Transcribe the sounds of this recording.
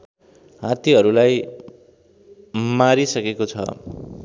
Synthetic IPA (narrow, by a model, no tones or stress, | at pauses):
ɦãt̪iɦʌɾulaj | maɾisʌkekot͡sʰʌ̰